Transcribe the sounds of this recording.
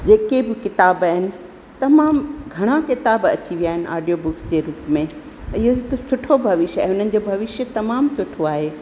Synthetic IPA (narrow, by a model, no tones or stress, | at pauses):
d͡ʑeːkebɪkɪt̪aːbaːɦɪnɪ̆ | t̪ɐmaːmɡʱɐɽ̃akɪt̪aːbɐ̰t͡ɕiʋijaːɦɪnɪ̆ʔa̰ːɖijobʊksd͡ʑeːɾuːpmẽ | ɪɦoɦɪksʊʈʰobʱɐʋɪʃjaːɦɪʊn̤ənɪ̆d͡ʑoːbʱɐʋɪʃjət̪ɐmaːmsʊʈʰoaːɦeː